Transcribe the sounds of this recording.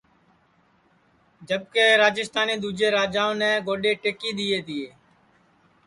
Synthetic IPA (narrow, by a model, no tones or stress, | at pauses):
d͡ʒəɓ̚keːɾaːd͡ʒɪst̪aːneːd̪uːd͡ʒeːɾaːd͡ʒaːõːnɛ̃ːɡoːɗeːʈeːkiːɗ̪iːeːt̪ɪeː